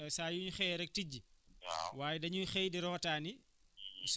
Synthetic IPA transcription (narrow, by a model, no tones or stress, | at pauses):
saːjuɲuxɛːjɾɛk̚tiɟːi | waːjɛdɐɲuxɛːjdiɾɔːtaːni | s